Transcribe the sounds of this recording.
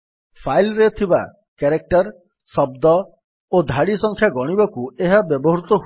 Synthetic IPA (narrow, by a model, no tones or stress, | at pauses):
pʰajlɾet̪ʰiba̰ | keɾek̚ʈɔɾ | sɔb̚d̪ɔ | od̪ʱaɽisɔŋkʰjaɡɔɽ̃ibɔkueɦabjɔbɔɦɾut̪ɔɦu